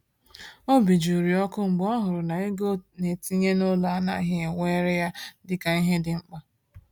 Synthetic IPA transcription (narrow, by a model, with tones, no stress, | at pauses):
o˦bi˨d͡ʒu˨ɾi˨ɔ˦kʊ˦ŋ͡m̩˨ɡ͡bɔ˦ɦʊ˨ɾʊ˨na˨e˦ɡo˦ne˨ti˦ɲe˦no˦la˨a˦na̰˦ɦɪ˦e˨wʷe˦ɾe˦ja˦dɪ˨ka˨i˦ɦe˦dɪ˨ŋ͡m̩˦k͡pa˦